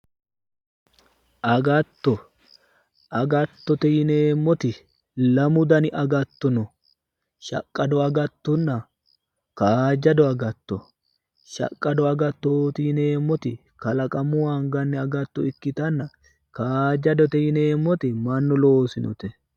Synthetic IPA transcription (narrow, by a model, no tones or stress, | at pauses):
ʔɐɡɐt̪ːɔ | ʔɐɡɐt̪ːɔt̪ɛjɪneːmːɔt̪ɪ | lɐmʊd̪ɐnɪʔɐɡɐt̪ːɔnɔ | ʃɐ̰kʼːɐd̪ɔɐɡɐt̪ːʊnːɐ | kaːd͡ʒɐd̪ɔɐɡɐt̪ːɔ | ʃɐ̰kʼːɐd̪ɔɐɡɐt̪ːoːt̪ɪjɪneːmːɔt̪ɪ | kɐlɐkʼɐmʊwaŋɡɐnːɛɐɡɐt̪ːɔɪkːɪt̪ɐnːɐ | kaːd͡ʒɐd̪ɔt̪ɛjɪneːmːɔt̪ɪmɐnːɔloːsɪnɔ̰t̪ɛ